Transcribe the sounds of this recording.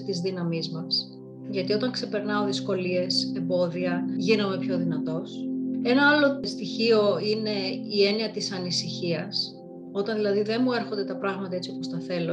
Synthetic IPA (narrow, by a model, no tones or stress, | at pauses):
t̪izðinɐmizmɐs | ʝɐt̪io̞t̪ɐŋkse̞pe̞ɾnɐo̞ðisko̞lie̞se̞mbo̞ðiɐʝinɐme̞pço̞ðinɐt̪o̞se̞nɐɐlo̞st̪içio̞ine̞ie̞niɐt̪isɐnisiçiɐs | o̞t̪ɐnðilɐðiðe̞nmue̞ɾxo̞nd̪et̪ɐpɾɐɣmɐt̪ɐet͡siopost̪ɐθe̞lo̞